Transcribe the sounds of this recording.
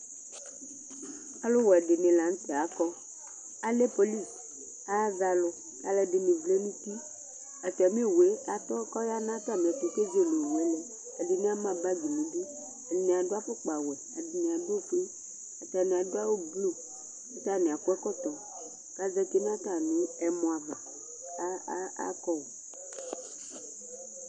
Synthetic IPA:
a˨˦lʊ˦wɔ˨ɛ˨ɖɪ˨nɪ̃˨la˨n̩˦t̪ɛ˨a˨kɔ˦ | a˦le˦po˦li˦˨s | a˦za˨lʊ˨ | ka˨lɛ˨ɖɪ˨nɪ̃˨vle˦nũ˦t̪i˦ | a˨t̪ɔ˨a˨mĩ˦˨we˨˦a˨t̪ɔ˦kɔ˦ja˦nã˦t̪a˦˨m˨ɛ˨ku˨˦ke˦d͡ʒe˦˨lo˨lɛ˦lɛ˨ | a˨dɪ˨nẽ˦a˦mã˦ba˦ɡi˨mũ˨di˦ | a˨ĩ˨a˨ɖo˦a˦fʊ˦k͡pa˨wɛ˨a˨di˨nĩ˨a˨do˦o˦˨fe˦ | a˨t̪a˨nĩ˨a˨do˦a˦wo˦blo˦˨˦ | t̪a˦˨ne˨a˨kʊ˦ɛ˦kɔ˦t̪ɔ˨ | ka˦zɛ˦ke˦nã˦t̪a˨nũ˦ɛ˨mɔ̃˨a˨va˨˦ | a̰˦kɔ˦wɔ˨

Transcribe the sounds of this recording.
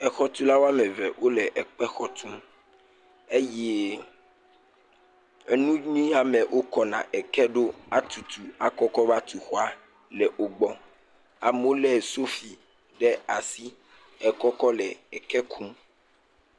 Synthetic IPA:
ɛ˨xɔ˦t̪u˦la˦wa˦mɛ˨vɛ˨wʔo˦lɛ˨ʔɛ˨k͡pɛ˦xɔ˦t̪ʰu˦m | e˦jɛ˦ | ɛ˦nũ˦ɲĩ˦a˨mɛ̃˨wʔo˦kɔ˦nã̰˨ʔɛ˨kɛ˦ɖo˦a˦t̪u˨t̪u˨a˨kɔ˦kɔ˦va˦t̪u˨xɔ˦a˦ | lɛ˨ʔo˨ɡ͡bɔ˨ | a˨mo˦lɛ˦˨so˦fi˨ | ɖɛ˦a˨si˦ | ɛ˨kɔ˦kɔ˦lɛ˨ɛ˨kɛ˦kʰu˦m

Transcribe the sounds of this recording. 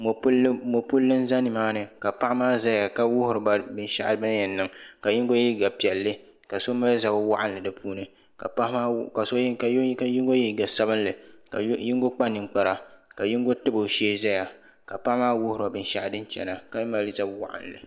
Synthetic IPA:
mo˨pmo˨pʊ˦lːɨ˦n˦za˦nɨ˨maː˦nɨ˨ka˨pa˦ʔmaː˦za˦ja˨ka˦wʊ˦hʊ˨ɾɨ˨ba˨bɨ˦nʃa̰˦ʔa˦ba˦n˦jɛ˨nːɨ˨ŋka˨ji˦ŋ˦ɡo˦ji˦ɡa˨pi˨ɛ˨lːɨ˦ | ka˨so˦ma˦lza˦bwa˦ʔa˦n˨lɨ˨dɨ˨pʰuː˦nɨ˨ | ka˨a˦hka˨so˦ka˨˦ka˦ji˦ŋɡo˦ji˦ɡa˨sa˦bɨ˦n˦lɨ˨ka̰˨ji˦ŋ˦ɡo˦k͡pa˦nɨ˨ŋk͡pa˨ɾa˨ka˨ji˦ŋ˦ɡo˦tɨ˦bo˨ʃeː˦za˦ja˨ | ka˨pa˦ʔmaː˦wʊ˦hʊ˨ɾɨ˨a˨bɨ˨n˦ʃa˦ʔdɨ˦n˦t͡ʃɛ̰˨na˨ka˨˦ma˦lza˦bwa̰˦ʔa̰˨n˨lɨ̰˨

